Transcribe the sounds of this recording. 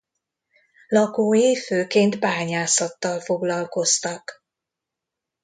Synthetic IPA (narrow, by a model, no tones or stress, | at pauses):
lɒkoːeːføːkeːnt̪baːɲaːsɒt̪ːɒlfo̞ɡlɒlko̞st̪ɒk